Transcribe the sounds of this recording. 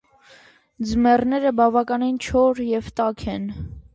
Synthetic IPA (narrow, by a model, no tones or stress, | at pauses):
d͡zmɛrnɛɾəbɑvɑkɑnint͡ʃʰɔɾjɛvt̪ɑkʰɛn